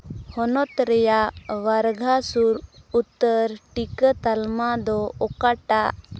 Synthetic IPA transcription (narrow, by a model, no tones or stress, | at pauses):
hɔnɔt̪ɾɛjaʋaɾɡʱasuɾut̪ːəɾʈikət̪almad̪ɔɔkaʈaʔ